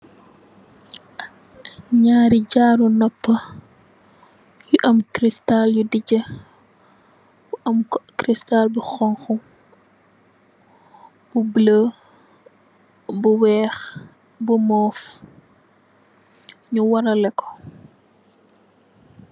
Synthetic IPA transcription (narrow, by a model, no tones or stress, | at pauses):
ɲaːɾiɟaːɾunɔpːə | juʔɐmkɾistaljudiɟə | b̥uʔɐmkɾistalbuxɔŋxu | b̥ublə | buwɛːx | bumɔːf | ɲuwɐɾɐlɛkːɔ̥